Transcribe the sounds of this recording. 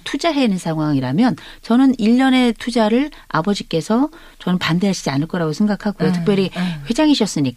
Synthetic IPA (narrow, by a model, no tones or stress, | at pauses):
tʰud͡ʑaɦe̞nɯnsʰaŋɦwaŋiɾamjʌnt͡ɕʌnɯniʎːʌne̞tʰud͡ʑaɾɯɭ | a̰bʌd͡ʑik͈e̞sʰʌ | t͡ɕʌnɯnpandeɦaɕ͈ʰid͡ʑianɯɭk͈ʌɾaɡosʰe̞ŋɡakʰaɡojotʰɯ̥k̚pjʌɾiɸwe̞d͡ʑaŋɦiɕʰʌs͈ɯɲik